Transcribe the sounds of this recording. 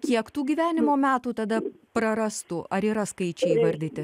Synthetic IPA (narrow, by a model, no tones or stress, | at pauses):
kʲiɛkt̪uːɡʲiːʋʲæːnʲɪmoːmʲæːt̪uːt̪ɐd̪ɐpɾɐɾɐst̪uːʔɐɾiːɾɐskɐɪt͡ʃʲɛɪiːʋɐɾʲd̪ʲɪt̪ʲɪ